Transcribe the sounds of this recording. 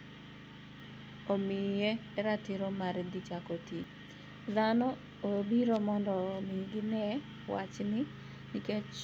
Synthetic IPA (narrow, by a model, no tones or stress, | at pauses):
omɪje | ɛɾatɪɾomaɾd̪it͡ʃakoti | ðanɔ | obiɾomɔndɔmiɡɪnɛ | wa̰t͡ʃnɪ | nɪket͡ʃ